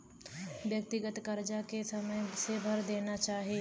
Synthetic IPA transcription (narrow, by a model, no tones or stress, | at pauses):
ʋjɐk̚t̪ɪɡət̪kɐɾd͡ʒakesɐməjsebʱɐɾd̪eːnat͡ʃaːɦieː